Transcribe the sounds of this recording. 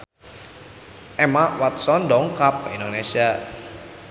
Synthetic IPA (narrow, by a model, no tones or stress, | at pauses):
ʔɛmawat̪̚sɔndɔŋkap̚indonesia